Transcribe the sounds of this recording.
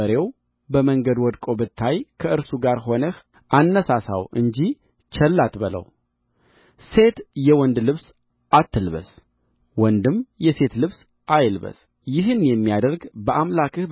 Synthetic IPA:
əɾe̞w | bəməŋɡəd̪wɔd̪kʼo̞bɨt̪ʰːajkʰəɨɾsuɡaɾɦo̞nəh | ʔanːəsasa̰wɨ̰ɲd͡ʒi | t͡ʃʰɛlːat̪bɨlə̰w | se̞t̪jɛwɔnd̪lɨβs | at̪ːɨlβə̰s | wɔnd̪ɨmjɛse̞t̪lɨβs | ʔajlβə̰s | jɪɦɨnjɛmːijad̪əɾɡbəʔamlakʰɨh

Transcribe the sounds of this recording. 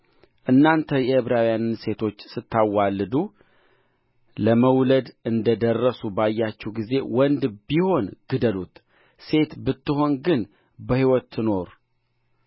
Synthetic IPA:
ʔɨnːant̪ʰəjɛhɨβɾawijanɨnse̞t̪ʰo̞t͡ʃːsɨt̪ʰːawalːɨd̪u | ləməwləd̪ɨnd̪əd̪ərːəsubajːat͡ʃːɛwɡize̞wɔnd̪biho̞nɡ̥ɨd̪əlut̪ | se̞t̪bɨt̪ːɨho̞nɡɨn | bəhiwɔt̪ʰːɨno̞ɾ

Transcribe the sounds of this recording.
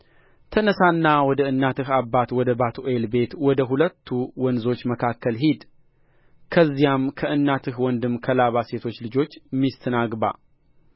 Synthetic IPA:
t̪ʰənəsanːawɔd̪əɨnːat̪ɨɦabːat̪wɔd̪əbat̪ʰuʔelbe̞t̪wɔd̪əɦulət̪ʰːuwɔnzo̞t͡ʃːməkʰakːəlɦid̪ | kʰəzːijamkʰəʔɨnːat̪ʰɨhwɔnd̪ɨmkʰəlaβase̞t̪ʰo̞t͡ʃːlɨd͡ʒo̞t͡ʃːmːist̪ʰənaɡba̰

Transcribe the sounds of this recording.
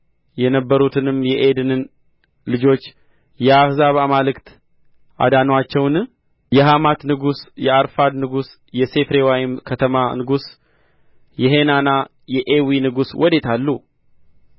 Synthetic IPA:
jɛnəbːəɾut̪ʰɨnɨmjɛʔed̪ɨnɨn | lɨd͡ʒo̞t͡ʃː | jɛahzaβamalɨkt̪ | ʔa̰d̪anwat͡ʃːɛwn | jɛɦamat̪nɨɡusjɛaɾfad̪nɨɡus | jɛse̞fɾe̞wajmkʰət̪ʰəmanɨɡus | jɛɦe̞nana | jɛʔewinɨɡuswʔɔd̪e̞t̪ʰalːu

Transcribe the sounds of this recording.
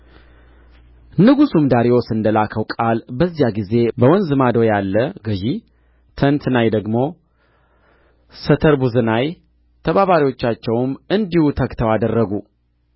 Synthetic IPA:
nɨɡusumd̪aɾiwosɨnd̪əlakʰəwkʼalbəzːijaɡize̞bəwɔnzɨmad̪o̞jalːəɡəʒi | t̪ʰənt̪najd̪əɡmo̞ | sət̪ʰəɾbuzɨnaj | t̪ʰəβaβaɾiwo̞t͡ʃːat͡ʃːɛwmɨnd̪ihut̪ʰəkt̪ʰəwad̪ərːəɡu

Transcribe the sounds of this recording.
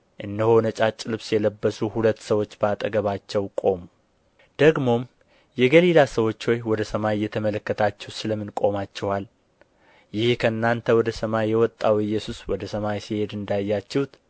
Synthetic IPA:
ʔɨnːəho̞nət͡ʃʼat͡ʃʼːɪlɨβsjɛləbːəsuhulət̪ːsəwo̞t͡ʃːbəat̪ʼəɡəβat͡ʃːɛwkʼo̞mu | d̪̥əɡmo̞m | jɛɡəlilasəwo̞t͡ʃːho̞jwɔd̪əsəmajjɛt̪ʰəmələkːət̪ʰat͡ʃːɛwsɨləmːɨnkʼo̞mat͡ʃːɛwal | jɪhkʰəɨnːant̪ʰəwɔd̪əsəmajːɛwɔt̪ʼːawɨjːɛsuswɔd̪əsəmajsihe̞d̪ɨnd̪ajːat͡ʃːɛhut̪

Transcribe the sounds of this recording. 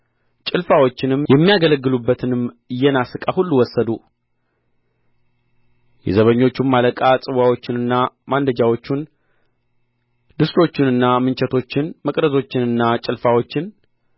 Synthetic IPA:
t͡ʃʼɪlfawo̞t͡ʃːɪnɨmjɛmːijaɡələɡːɨlubːət̪ʰɨnɨm | ɨjːɛnasɨkʼahulːuwɔsːəd̪u | jɛ̰zəβəɲːo̞t͡ʃːumːaləkʼat͡sʼɨwawo̞t͡ʃːɪnɨnːamand̪əd͡ʒawo̞t͡ʃːun | d̪ɨst̪ʰo̞t͡ʃːɪnɨnːamɨnt͡ʃɛt̪ʰo̞t͡ʃːɪnməkʼɾəzo̞t͡ʃːɪnɨnːat͡ʃʼɪlfawot͡ʃːɪn

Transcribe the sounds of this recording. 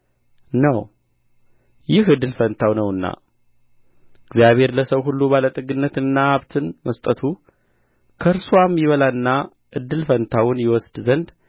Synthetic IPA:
nəw | jɪɦɨd̪ːɨlfənt̪ʰawnəwɨnːa̰ | ɪɡzijaβhe̞ɾləsəwɦulːubalət̪ʼɨɡɨnːət̪ɨnːaaβt̪ʰɨnməst̪ʼət̪ʰu | kʰəɾswamjɪβəlaɨnːa | ʔɨd̪ːɨlfənt̪ʰawʊnjɪwɔsd̪zənd̪

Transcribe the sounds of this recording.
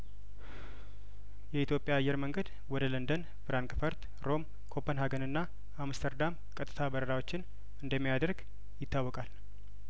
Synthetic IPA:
jɛit̪ʰjo̞pʼːjaːjːɛɾməŋɡəd̪ | wɔd̪ələnd̪ən | bɨɾaŋkʼɨfəɾt̪ | ɾo̞m | kʰo̞pʰːənɦaɡənɨnːa | amst̪ʰəɾd̪am | kʼət̪ʼːɨ̥t̪ʰabəɾəɾawot͡ʃːɪn | ɨnd̪əmːijad̪əɾɡ | jɪt̪ʰːawːɔkʼal

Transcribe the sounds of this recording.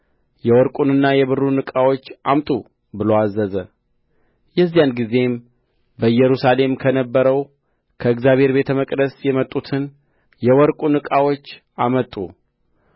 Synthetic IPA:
jɛwɔɾkʼunɨnːajɛβɨrːunɨkʼawo̞t͡ʃːʔamt̪ʼu | bɨloazːəzə | jɛzːijanɡize̞m | bəjɛɾusale̞mkʰənəbːəɾəw | kʰəɨɡzjaβʱe̞ɾbe̞t̪ʰəməkʼd̪əsjɛmət̪ʼːut̪ʰɨn | jɛwɔɾkʼunɨkʼawo̞t͡ʃː | ʔamət̪ʼːṵ

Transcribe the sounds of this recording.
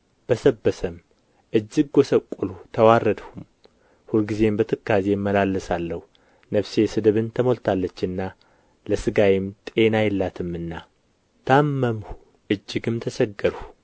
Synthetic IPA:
b̥əsəbːəsəm | ʔɨd͡ʒːɨɡ̚ɡosəkʷʼːulut̪ʰəwarːəd̪hum | hulɡize̞mbət̪ʰɨkːazemːəlalːɨsalːəhu | nəβse̞sɨd̪ɨβɨnt̪ʰəmo̞lt̪ʰalːət͡ʃːɨnːa | ləsɨɡajɪmt̪ʼe̞najɛlːat̪ʰɨmːɨnːa | t̪ʰamːəmhu̥ | ʔɨd͡ʒːɪɡɨmt̪ʰəsəɡːəɾhu

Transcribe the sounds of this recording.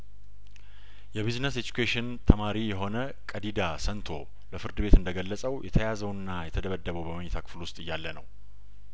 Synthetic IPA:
jɛβiznəsed͡ʒukʰeʃɪnt̪ʰəmaɾijɛɦo̞nə | kʼəd̪id̪asənt̪ʰo̞ | ləfɨɾd̪ɨbe̞t̪ɨnd̪əɡəlːəsʼəwjɛt̪ʰəjazəwnːajɛt̪ʰəd̪əβəd̪ːəβəwbəməɲːɛtʰakʰɨ̥flwʊst̪ʼɨjːalːənə̰w

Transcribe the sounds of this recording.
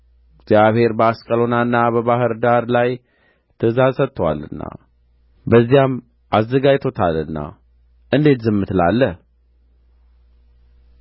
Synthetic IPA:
ɡz̥jaβhe̞ɾbəaskʼəlo̞nanːabəβahɨɾd̪aɾlaj | t̪ʰəzazsət̪ʼːəwa̰lɨnːa̰ | bəzːijam | ʔazːəɡajt̪ʰo̞t̪ʰalɨnːa̰ | ʔɨnd̪e̞t̪zɨmːɨt̪ʰɨla̰lːə

